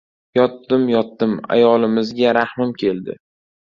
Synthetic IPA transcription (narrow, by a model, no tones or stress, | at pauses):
jɒt̪ːɪmjɒt̪ːɪma̰jɒlɪmɪzɡʲaɾahmɪmkʲʰe̞lˠd̪ɪ̰